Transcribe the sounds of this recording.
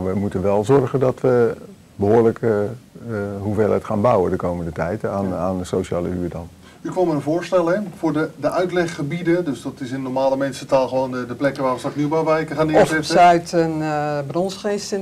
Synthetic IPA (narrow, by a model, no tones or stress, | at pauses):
ʋəmutənʋɛlˠzɔrχəndɑtʋə | bəɦʊːɹlək | ɦuveːlətχaːnbɑwədəkowməndətɛjtaːnaːnəsowʃaːləyːɹdɑn | ykʋɑmənənvʊːɹstɛlˠɛvʊːɹdədəʔœɥtlɛχːəbidədɵsdɑtɪsɪndənɔɹmaːləmɛnsətaːlˠχəʋownədəplɛkəʋaːɹʋəsɑknybaʋɛrkəχaːndɪɔzɪtsəœɥtənbrɔnsχestɪ